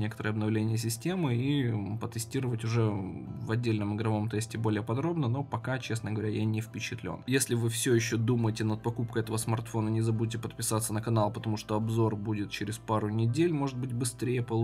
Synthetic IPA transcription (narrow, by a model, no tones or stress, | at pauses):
nʲekə̥t̪əɾəɐbnɐvlʲenʲɪjəs̬ʲɪsʲtʲe̞mɨipət̪ɨsʲtʲiɾəvətʲʊʐɛvɐdʲːelʲnəmɨɡɾɐvo̞mt̪ɛsʲtʲɪbo̞lʲɪjəpɐd̪ɾo̞bnəno̞pɐkat͡ɕe̞snəɡəvɐɾʲajanʲɪfpʲɪt͡ɕɪt̪lʲo̰njesʲlʲɪvɨfsʲojɪɕːod̪uməjɪtʲɪnət̪̚pɐkup̚kəɛt̪əvəsmɐrt̪fo̞nənʲɪzɐbudʲɪtʲɪpət̪pʲɪ̥sat̪sːənəkɐnalˠpət̪ɐmuʂt̪o̞ɐbzo̞rbudʲɪt̪̚t͡ɕɪɾʲɪspaɾʊnʲɪdʲelʲmo̞ʐɨd̪̚bɨtʲbɨst̪ɾʲejəpəlˠ